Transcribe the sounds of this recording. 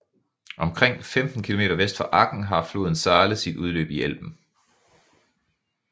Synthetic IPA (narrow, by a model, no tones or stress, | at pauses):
ʔɒ̽mkʰʁeŋ̰femd̥n̩kʰilo̝me̝ːd̥ɐʋesd̥fɑ̈ʔɑ̈ɡ̥n̩ɦɑ̈flo̝̰ːð̞ˠn̩sɑːləð̩ˠsid̥uð̞ˠlø̰ːb̥iel̰b̥n̩